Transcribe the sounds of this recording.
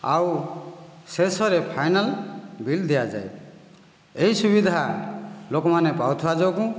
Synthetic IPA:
a̰w | sesɔɾepʰajnalbild̪ijad͡ʒa̰e | eɦisubid̪ʱalokɔmanepawt̪ʰuad͡ʒawkũ

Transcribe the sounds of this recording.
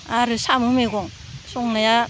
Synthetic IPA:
aɾɯsamɯmeɡɔŋ | sɔŋnaja

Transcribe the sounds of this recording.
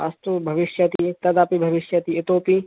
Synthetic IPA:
a̰st̪ubʱɐʋɪʃjɐt̪it̪ɐd̪aːpibʱɐʋɪʃjɐt̪iɪt̪oːpi

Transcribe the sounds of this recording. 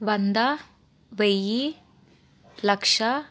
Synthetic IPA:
ʋɐnd̪ɐ | ʋeji | lɐkʂa

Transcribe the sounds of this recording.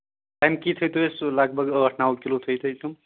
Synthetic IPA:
ʈajmkit̪ʰʌjt̪ʰoeslʌɡ̚bʱʌɡəʈʰnawkilot̪ʰʌjt̪ʰʌjt̪ʰu

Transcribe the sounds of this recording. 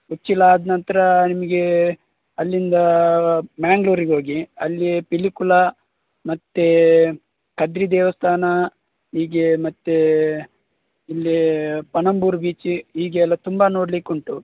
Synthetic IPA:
ut͡ʃːilːɐːd̪ɐnɐnt̪ɐɾɐnimɐɡe | ɐlːind̪ɐ | maːŋɡloːɾiɡeɦoːɡiɐlːipilikulɐ | mɐt̪ːe | kɐd̪ɾid̪ɛːʋɐst̪ʰaːnɐ | ɦiːɡemɐt̪ːe | ilːipɐnɐmbuːɾbiːt͡ʃiɦiːɡeːlːɐt̪umbɐno̞ːɽlikuɳʈu

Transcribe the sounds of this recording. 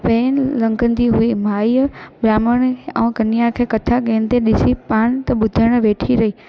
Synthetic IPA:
peːnlɐ̃ŋɡənd̪iɦuimaːibɾaːməɽ̃ɛ̃ːkɐnijãkʰeːkɐt̪ʰaɡẽːnt̪eɗɪsipaːɽ̃t̪ɐɓʊd̪ʱəɽ̃ʋeːʈʰiɾɐiː

